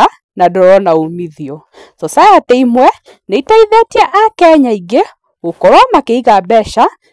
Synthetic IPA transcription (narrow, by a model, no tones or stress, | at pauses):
a | nadɔɾɔnaomiðiɔ | sɔsajatɛimwɛ | neitaiðetiɛʔakɛɲaiɡe | okɔɾɔmakeiɣabɛʃa